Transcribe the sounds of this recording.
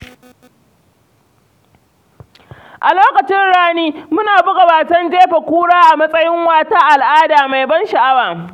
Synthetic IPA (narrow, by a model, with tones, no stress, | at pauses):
ʔa˨loː˦kɐ˨t͡ʃɪ˦nɽaː˦niː˦mʊ˦naː˨bʊ˦ɡɐ˨baː˨tɐ˦nd͡ʒeː˦ɸe˨kʷuː˦ɽaː˦ʔa˨mɐ˦sʼɐ˦jɪ˦ŋwaː˦taː˦ʔa˨lʔaː˦daː˨ma˨jbɐ˦nʃa˨ʔa˦waː˨